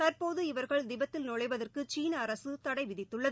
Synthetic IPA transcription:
t̪ɐrpoːðɯɪʋɐɾɣɐɭd̪ɪbɐt̪ːɪlnɔɻɐɪʋɐðɐrkɯt͡ʃiːnɐːɾɐsɯt̪ɐɽɐɪʋɪðɪt̪ːɯɭːɐð

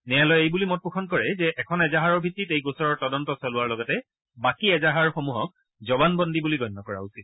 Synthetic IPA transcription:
nɛjalɔjejbulimɔt̚pukʰɔnkɔɹɛzɛʔɛkʰɔnɛzaɦaɹɔɹbʱitːitejɡosɔɹɔɹtɔdɔntɔsɔlʊwaɹlɔɡɔtɛ | bakiɛzaɦaɹxomuɦɔk̚ | zɔbanbɔndibuliɡɔjnːɔkɔɹa̰usit̚

